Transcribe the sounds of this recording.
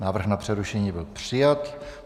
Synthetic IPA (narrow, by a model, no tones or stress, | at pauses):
naːvr̩ɣnapr̝̥ɛɾuʃɛɲiːbɪlpr̝̥ɪjat̪